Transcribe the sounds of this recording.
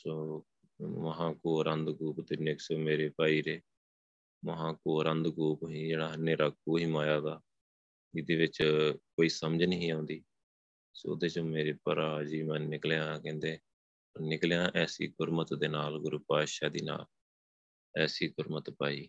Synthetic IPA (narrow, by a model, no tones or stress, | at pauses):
soː | məɦãːkoːɾənd̪ɡuːpt̪enɪksoːmeːɾeːpaːiːɾeː | məɦãːkoːɾənd̪ɡuːpɦĩːd͡ʒeːɽaːɦənːeːɾaːk̚uːɦimaːjaːd̪aː | ɪd̪eːʋɪt͡ʃkoːiːsəməd͡ʒnəɦĩːãːʊ̃nd̪iː | so̰ːʊ̰d̪eːt͡ʃõːmeːɾeːpəɾaːd͡ʒiːmɛ̃ːnɪkljãːkɛ̃ːnd̪eː | ənɪkljãːʔɛːsḭːɡʊɾmət̪d̪eːnaːlɡʊɾupaːʃaːd̪iːna̰ːl | ɛːsiːɡʊɾmət̪paːiː